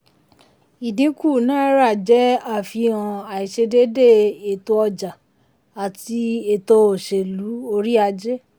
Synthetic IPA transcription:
i˨dĩ˨˦ku˦˨nã˦ɾa˦˨d͡ʒɛ˨˦a˦˨fi˧ã˧a˨i˨ʃe˧de˦de˦˨e˨to˧ɔ˧d͡ʒa˨ | a˨ti˧e˨to˧o˨ʃe˨lu˨˦o˧ɾi˦a˧d͡ʒɛ˦

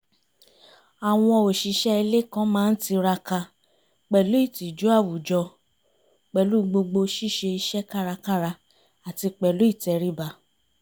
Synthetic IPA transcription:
a˨w̃ɔ̃˧o˨ʃi˨ʃɛ˦i˧le˦˨kã˦mãː˦˧n̩˦ti˧ɾa˧ka˧ | k͡pɛ˨lu˨˦i˦˨ti˨d͡ʒu˨˦a˦˨wu˨d͡ʒɔ˧ | k͡pɛ˨lu˦˨ɡ͡bo˧ɡ͡bo˧ʃi˦˨ʃe˧i˧ʃɛ˦ka˦˨ɾa˧ka˦ɾa˧ | a˨ti˧k͡pɛ˨lu˨˦i˦˨tɛ˨ɾi˨˦ba˧˨

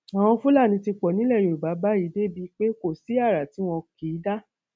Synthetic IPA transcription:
a˨w̃ɔ̃˧fũ˦la˦˨nĩ˧ti˧k͡pɔ˨nĩ˨˦lɛ˦˨jo˨u˨ba˨˦ba˦i˨˦de˦bi˧˦k͡pe˦ko˦˨si˨˦a˦˨ɾa˨ti˨˦w̃ɔ̃˧ki˨˦da˦

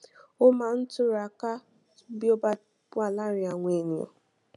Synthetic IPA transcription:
ʊ˦ma˨n̩˦tʊ˦ɾa˨ka˦ | bjo˦ba˦ | pʊ˦a˨la˦ɾɪ˨a˨ŋʷe˨ni˨ɔ̰˨

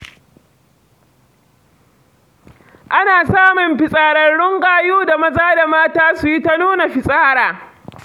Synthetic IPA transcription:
ʔa˦naː˨saː˦mʊ˨mɸɪ˨sʼaː˦ɽɐ˦rɽʊ˦ŋkʼaː˨juː˦da˨mɐ˦zaː˦da˨maː˦taː˦sʊ˨ji˦ta˦nuː˦na˨ɸɪ˨sʼaː˦ɾaː˨

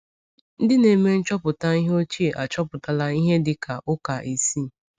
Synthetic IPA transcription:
n̩˦dɪ˦ne˨me˦n̩˦t͡ʃɔ˦pʊ˨ta˦i˦ɦe˦o˦t͡ʃi˦e˨ʔa˨t͡ʃɔ˦pʊ˨ta˨la˦i˦ɦe˦dɪ˦kʰa˨ʔʊ˦ka˨ʔe˨si˦˨

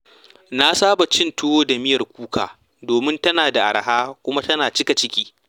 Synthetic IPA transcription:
na˦saː˦ba˨t͡ʃɪ˦nto˦o˦da˨mɪ˦jɐ˨rkʷuː˦ka̰ː˨ | doː˨mɪ˦ntɐ˦naː˨da˨ʔa̰˨ɾɦaː˦kʷʊ˦ma˦tɐ˦naː˨t͡ʃɪ˦ka˨t͡ʃɪ˦kʲiː˦

